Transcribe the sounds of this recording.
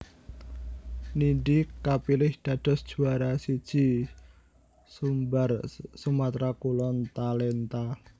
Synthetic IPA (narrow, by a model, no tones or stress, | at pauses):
niɳɖikapilɪhd̪̥a̤d̪̥ɔ̤sd̥ʒ̥ṳaɾasid̥ʒ̥i̤ | sumbarsumat̪ɾakulɔnt̪alɛnt̪a